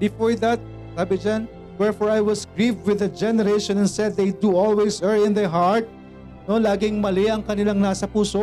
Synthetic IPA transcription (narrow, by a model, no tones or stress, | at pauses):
bɪfɔɹðɐt̪̚ | saːbɪd͡ʒan | wɛɹfɔɹajwɔsɡɹivwɪðɐd͡ʒɛnɛɾejʃɔ̃nɛnsɛd̪̚ːejd̪uolwejsɛɹɪ̃nðɛɦaɹt̪̚ | no̞laːɡɪŋmɐlɪʔɐŋkɐnɪlaŋnaːsɐpuːso